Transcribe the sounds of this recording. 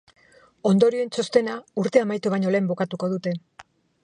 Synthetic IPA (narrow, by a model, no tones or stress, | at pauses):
o̞nd̪o̞ɾioent͡so̞st̪e̞nauɾt̪e̞amajt̪uβaɲo̞le̞ːmbo̞kat̪uko̞ð̞ut̪e̞